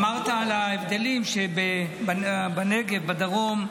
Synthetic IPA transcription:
maʁt̪alaevd̪elimʃebebbaneɡevbad̪aʁo̞m

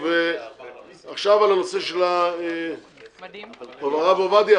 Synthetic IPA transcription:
ve | aχʃavalanoseʃela | ovaʁavovad̪ia

